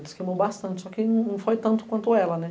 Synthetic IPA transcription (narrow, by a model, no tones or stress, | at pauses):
d̪ɪskejmowbast̪ɐ̃t͡ʃɪsɔkɪnɐ̃w̃nɐ̃w̃fojt̪ɐ̃nt̪ʊ̥kwɐ̃nt̪ʊɛlɐnɛ